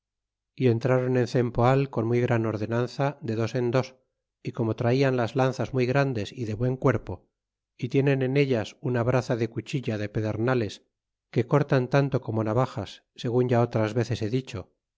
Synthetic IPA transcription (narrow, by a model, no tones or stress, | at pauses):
ie̞nt̪ɾaɾo̞nẽ̞nθe̞mpoalko̞nmujɣɾano̞ɾðe̞nanθad̪e̞ðo̞se̞nd̪o̞s | iko̞mo̞t̪ɾaianlazlan̟θazmujɣɾand̪e̞siðe̞βwe̞ŋkwe̞ɾpo | it̪je̞nẽ̞ne̞ne̞ʎasunaβɾaθaðe̞kut͡ʃiʎaðe̞pe̞ðe̞ɾnale̞s | ke̞ko̞ɾt̪ant̪ant̪o̞ko̞mo̞naβ̞axasːe̞ɣ̞unʝao̞t̪ɾazβe̞θe̞se̞ðit͡ʃo̞